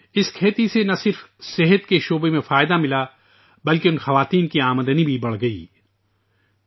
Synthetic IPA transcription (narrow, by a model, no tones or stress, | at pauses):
ɪskʰeːt̪isenɐsɪɾfsɪɦət̪keʃoːbemẽfaːjd̪amɪla | bɐlkeʊ̃nxɐʋaːt̪iːnkiaːməd̪ənibʱibɐɽ̤ɡɐḭː